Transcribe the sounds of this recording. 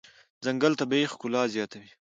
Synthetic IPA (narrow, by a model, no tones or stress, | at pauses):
zɐŋɡalt̪abejxkʊlɑːzjɑːt̪awi